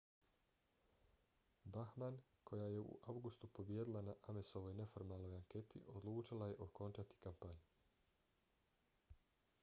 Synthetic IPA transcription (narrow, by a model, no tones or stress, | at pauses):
baxman | kʰo̞jaje̞ṵʔawɡust̪upo̞bjeːd̪ilˠanaʔameso̞ʋo̞jne̞fo̞ɾmalˠno̞jaŋke̞t̪ḭʔo̞d̪lˠuːt͡ʃilaje̞ʔo̞ko̞nt͡ʃat̪i̥kampaɲu